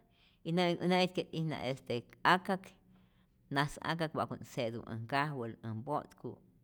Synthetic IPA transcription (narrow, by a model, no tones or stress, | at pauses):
inaŋunet̪̚ket̪ʼihna̰ʔest̪eakak | nasa̰k̬ak̚baʔkunsed̪ṵə̰ŋkahwələmbot̪kuʔ